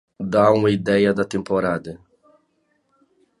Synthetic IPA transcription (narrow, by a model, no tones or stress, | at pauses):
d̪aũmɐid̪ɛjɐd̪ɐt̪ẽmpoɾad̪ɐ